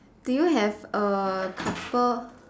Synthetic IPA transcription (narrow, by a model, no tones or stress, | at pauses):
d̥ujuɦɛvəkʰapəl